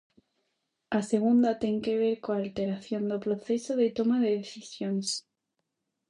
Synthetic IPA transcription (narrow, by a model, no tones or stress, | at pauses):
aseɣ̞und̪at̪eŋkeβ̞eɾkoalt̪eɾaθjond̪opɾoθesoðet̪omaðeðeθisjons